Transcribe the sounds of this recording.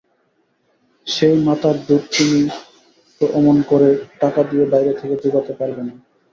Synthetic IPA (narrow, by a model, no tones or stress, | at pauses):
ʃejmat̪ʰaɾd̪uɾt̪ini | oʔɔmonkoɾeʈakad̪iebajɾet̪ʰeked̪uɡat̪epaɾbena